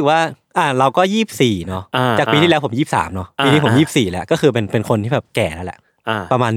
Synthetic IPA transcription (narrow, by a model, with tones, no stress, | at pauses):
waː˥˩ | ʔa˨˩ɾa˧wkɔː˥˩jiː˥˩p̚siː˨˩nɔ˦˥a˧a˨˩k̚pi˧iː˥lɛ˦wpʰo˩˦mjiː˥˩p̚sa̰ː˩˦mnɔ˦˥pi˧iː˥˩po˩˦jiː˥˩p̚siː˨˩lkɔː˥˩xɯː˧p̬e˧npe˧nkʰo˧nt̪ʰiː˥˩bɛː˨˩p̚kɛː˨˩nɛ˦˥wlɛ̰˧˩ʔ | pɾa˧maː˧n